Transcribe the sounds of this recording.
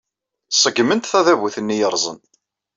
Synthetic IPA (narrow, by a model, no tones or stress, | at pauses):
sˤəɡːmənt̪θæðævuθənːijəɾˤzˤə̰n